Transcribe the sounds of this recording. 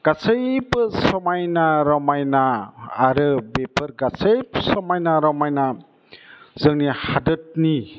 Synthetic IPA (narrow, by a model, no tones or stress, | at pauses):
ɡ̥asəjbɯsɔmajnaɾɔmajnaːɾɯbepʰɯɾɡasejpsɔmajnaɾɔmajna | zɯŋnihadɯt̚ni